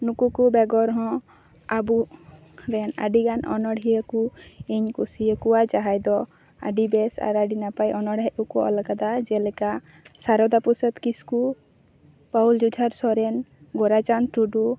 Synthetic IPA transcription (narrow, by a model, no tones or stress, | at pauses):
nukukubɛɡɔɾɦɔ̃ | abu | ɾɛna̰ɖiɡanɔ̰nɔɽɦijəkuiɲkusiəkuwat͡ʃaɦajd̪ɔ | a̰ɖibɛsa̰ɾaɖinapajɔnɔɽajukuɔ̰lakad̪ad͡ʒɛlɛka | saɾɔd̪apusət̪kisku | pauld͡ʒud͡ʒʱaɾsɔɾɛnɡɔɾat͡ʃanʈuɖu